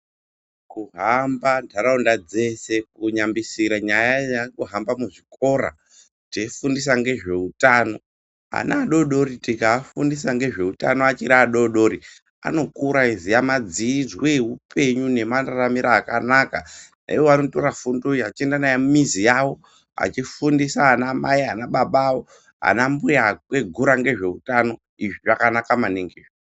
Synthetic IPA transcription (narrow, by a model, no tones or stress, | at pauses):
kuɦambandʰʱaɾaundad͡ze̞se̞k̚uɲambisiɾaɲajajakuɦambamuʐiko̞ːra̰ | teifundis̬aŋɡe̞ʐe̞utaːno̞ | a̰naːɗo̞ɗo̞ɾitikafundis̬aŋɡe̞ʐe̞uta̰no̞at͡ʃiɾaaɗo̞ɗo̞ɾi | a̰no̞kuɾaizijamad͡zid͡zweɦupʰe̞ɲune̞manaramiɾaːkanakana̰iwoano̞to̞ɾafundoiat͡ʃiendanaemumizijawo̞ | a̰t͡ʃifundisaɦːnamaiɦanaɓaɓaːwo̞ | ɦa̰nambujakwe̞ɡʱuɾaŋɡe̞ʐe̞utano̞ | iʐiʐakanakamaneŋɡeːʐe